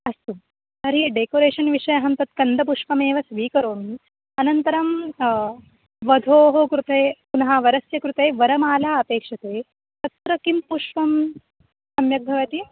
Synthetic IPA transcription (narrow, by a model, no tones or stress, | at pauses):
ɐst̪u | ɐɾiɖeːkoːɾeːʂɐnʋiʂɐjɐɦɐmt̪ɐt̪kɐnd̪ʱɐp̬uʂpɐmeːʋɐsʋiːkɐɾoːmi | ɐnɐnt̪ɐɾɐm | ʋɐd̪ʱoːɦokɾut̪eːpunɐɦaːʋɐɾɐsjɐkɾut̪eːʋɐɾɐmaːlaːɐpeːkʂɐt̪eː | t̪ɐt̪ɾɐkimpuʂʋɐm | sɐmjɐɡ̚d̪ʱɐʋɐt̪i